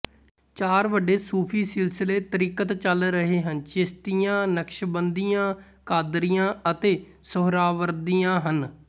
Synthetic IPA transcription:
t͡ʃaːɾʋəɖeːsuːpʰiːsɪlsɪleːt̪əɾiːkət̪t͡ʃəlɾəɦeːɦənt͡ʃɪst̪ijãːnəkʃbənd̪ijãː | kaːd̪ɾijãːət̪eː | sʊɦɾaːʋəɾd̪ijãːɦən

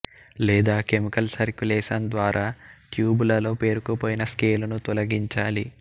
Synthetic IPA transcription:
lɛːd̪aːke̞mikɐlsɐɾkulɛːʃɐnd̪ʋaːɾʔaːʈjuːbulɐlo̞ːpe̞ːɾukɐpoːjinɐskeːlɐnut̪ɔlɐɡiɲt͡ʃaːli

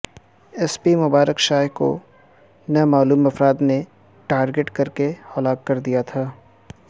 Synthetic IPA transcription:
ɛspimʊbaːɾəkʃaːko̰ | nɐmaːluːmɐfɾaːd̪ne | ʈaːɾɡeʈkɐɾkehɐlaːkːɐɾd̪ijat̪ʰaː

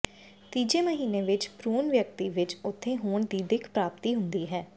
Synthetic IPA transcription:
t̪iːd͡ʒeːməɦiːneːʋɪt͡ʃpɾuːnʋjək̚t̪iːʋɪt͡ʃʊt̪ʰːẽːɦoːɳd̪iːd̪ɪkʰpɾaːpt̪iːɦʊnd̪iːɦɛː

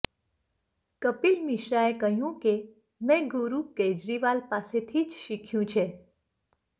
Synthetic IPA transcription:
kəpilmiʃɾaekəɦjũke | mɛ̃ɡʊɾuked͡ʒɾiʋalpaset̪ʰid͡ʒʃikʰjũt͡ʃʰe

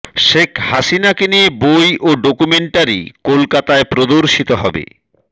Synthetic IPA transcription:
ʃekʰhaʃinakeniebojʔoɖokumeɳʈaɾḭkolkat̪aepɾod̪oɾʃit̪oɦɔ̰bḛ

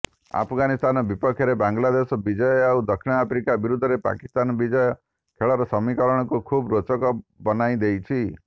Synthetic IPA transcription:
a̰pʰɡanist̪anɔbipɔkʰjɔɾebaŋɡlad̪esɔbid͡ʒɔaud̪ɔkʰinɔapʰɾikabiɾud̪ʱːɔɾepa̰kist̪anɔbid͡ʒɔjɔ | kʰeɭɔɾɔsɔmikɔɾɔɽ̃ɔkukʰubɾot͡ʃɔkɔbɔnaid̪ejt͡ʃʰi

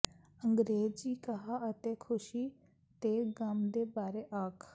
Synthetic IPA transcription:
əŋɡɾeːd͡ʒiːkəɦaːət̪eːkʰʊʃiː | t̪eːɡamd̪eːbaːɾeːʔaːkʰ

